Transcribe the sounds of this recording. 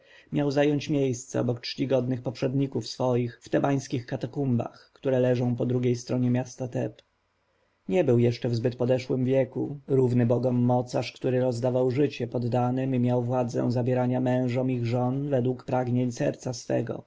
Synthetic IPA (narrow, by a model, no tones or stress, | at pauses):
mʲjawzajɔɲt͡ɕmʲjejst̪sɛ̰ɔ̰bɔktt͡ʂʂt͡ɕiɡɔd̪nɘxpɔpʂɛd̪ɲikufsfɔjixft̪ɛbaj̃skʲixkat̪akumba̰xkt̪uɾɛlɛʐɔ̃w̃pɔd̪ɾuɡʲejst̪ɾɔɲɛmʲjast̪at̪ɛp | ɲɛbɘwjɛʂt͡ʂɛvzbɘt̪pɔd̪ɛʂwɘmvʲjɛkṵɾuvnɘbɔɡɔmːɔt̪saʂkt̪uɾɘɾɔzd̪avawʐɘt͡ɕɛpɔd̪ːanɘmimʲjawvwad̪zɛ̰̃w̃zabʲjɛɾaɲamɛ̃w̃ʐɔmiɣʐɔnvɛd̪wukpɾaɡɲeɲsɛ̰ɾt̪sasfɛ̰ɡɔ̰